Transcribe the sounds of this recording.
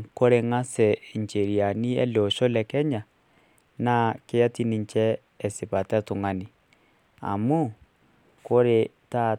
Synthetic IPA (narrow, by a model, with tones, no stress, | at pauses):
ko˦ɾe˦ŋa˦sɛ˨ɲt͡ʃe˨ɾi˨a˨ni˦ɛ̰˦lo˨ʃo˦lɛ˨kɛ˦ɲa˨ | na˦ke˦ja˦ti˦ni˨ɲt͡ʃɛː˦˨ | se˨pa˨ta˦tu˨ŋa˨ni˨ | a̰˨mu˦ | ko˦ɾe˨ta˦